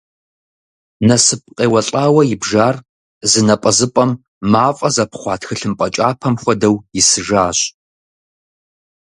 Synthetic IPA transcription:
nɐsɨp̚qʼeːwɐɬʼaːwɐjɪbʒaːr | zɨnɐpʼɐzɨpʼɐmː | aːfʼɐzɐpʰχʷɑːtʰxɨɬɨmpʼɐt͡ʃʼaːpʰɐmxʷɔdɐwjɪsɨʒaːɕʼ

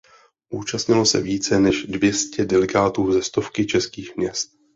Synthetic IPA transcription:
ʔuːt͡ʃast̪ɲɪlo̞sɛ̰viːt͡sɛnɛʃdvjɛscɛdɛlɛɡaːt̪uːzɛst̪o̞fkɪt͡ʃɛskiːxmɲɛst̪̚

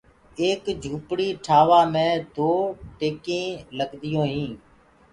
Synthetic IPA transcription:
eːkd͡ʒʱuːpɽiːʈʰaːʋaːmẽːd̪oːʈeːkẽːləɡd̪ɪjõːɦĩː

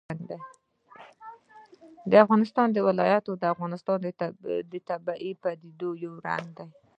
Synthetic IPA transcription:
and̪aj | d̪əafɣɑnɪst̪ɑnd̪əwɪlɑjat̪od̪əafɣɑnɪst̪ɑnd̪ət̪abaʔipad̪id̪ojawɾa̰n̚d̪aj

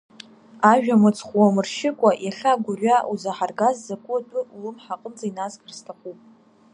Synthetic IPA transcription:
aʒᶣamɨt͡sʰʼχʷwamɨrʃɪkʷʼaʔjaɬʲaɡʷʊrʲɥaʔuzaħarɡazːakʷʼʊtʼʊulɨmħaqʼəmt͡sʼainazkʼrstʰaχʷupʼ

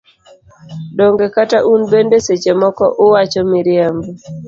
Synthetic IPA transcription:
doŋɡekataʔunbendeset͡ʃemɔkɔ̰ʔʊwat͡ʃɔmiɾjambɔ

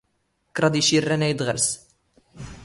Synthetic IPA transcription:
kːɾˤɑd̪iʃirːænæjd̪ʁə̰ɾs

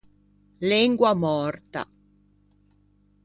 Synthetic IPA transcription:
lɛŋɡwamɔrt̪a̰

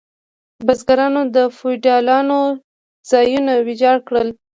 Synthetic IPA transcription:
bazɡaɾɑnod̪əfojɖɑlɑno | z̥ɑjunawɪd͡ʒɑɽkɽəl

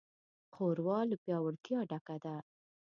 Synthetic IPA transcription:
xoɾwɑləpjɑwəɽk̪jɑɖakad̪a

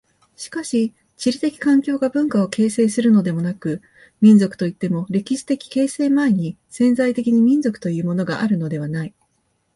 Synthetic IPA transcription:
ɕi̥kaɕi | t͡ɕiɾʲit̪e̞kʲi̥kãŋkʲo̞ːɡabɯ̟̃ŋkao̞ke̞ːse̞ːsɨɾɯ̟no̞d̪e̞mo̞nakɯ̟ | mʲĩnd͡zo̞kɯ̟̥t̪o̞it̪ːe̞mo̞ɾe̞kʲiɕi̥t̪e̞kʲi̥ke̞ːse̞ːmaeɲ̟isẽ̞nzait̪e̞kʲiɲ̟imʲĩnzo̞kɯ̥t̪o̞jɯ̟ːmo̞no̞ɡa̰ʔaɾɯ̟no̞d̪e̞β̞anai

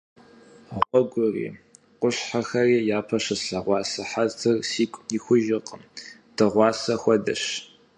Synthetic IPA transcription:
ʁʷɔɡʷʊrḭː | qʷʊɕħaxɐriːjaːpʰɐʂɨɬɐʁʷɑːsɐħaztʰɨrsiːkʷʼiːxʷʊʒɪqəmd̥ɨʁʷɑːsɐxʷɔdɐ̰ɕ

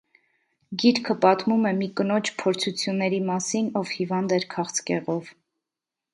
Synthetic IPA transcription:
ɡiɾkʰəpɑt̪mumɛmikənɔt͡ʃʰpʰɔɾt͡sʰut͡sʰjunːɛɾimɑsinɔvhivɑnd̪ɛɾkʰɑχt͡skɛʁɔv

